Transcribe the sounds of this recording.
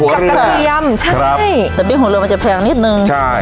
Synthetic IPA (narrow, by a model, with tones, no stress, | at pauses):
hu˨˩˦ja˧mt͡ɕʰa˥ɾa˦˥˩jt̪ɛː˨˩miː˧˩ɦu˩˦lɯ˧ma˧nt͡ɕa˨˩pʰɛː˧ŋni˦˥t̪̚nɯ˧ŋt͡ɕʰa˥˩j